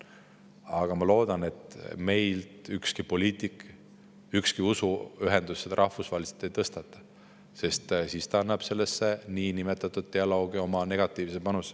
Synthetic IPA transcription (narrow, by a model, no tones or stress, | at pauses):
ɑɡ̥ɑmɑlo̞ːd̪̥ɑne̞t̪ˑme̞jlt̪ykskipo̞liːt̪ˑik | ykskiusuyɦe̞nd̪̥usːed̪̥ɑɾʔɑhfusvɑːlʲise̥t̪ːˑe̞jt̪ɤst̪ɑt̪ːˑɑ̥ | se̞st̪siːst̪ɑɑnːɑb̥se̞lːe̞sːe̞niːnimet̪ːˑɑt̪ːˑud̪̥̚t̪e̞ɑlo̞ːɡ̥io̞mɑne̞ɡ̥ɑt̪ˑːiːvsepɑnus